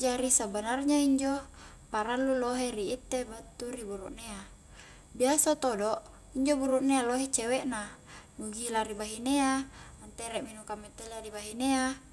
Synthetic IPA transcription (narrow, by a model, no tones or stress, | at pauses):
d͡ʒaɾisabanarɲaiɲd͡ʒo | paɾalːuloɦeɾiːt̪ːebat̪ːuribuɾṵʔnea | biasat̪odoʔ | iɲd͡ʒobuɾuʔnealoɦet͡ʃeweʔna | nuɡilaɾibaɦineaant̪eɾɛʔminukamɛt̪eladibaɦinea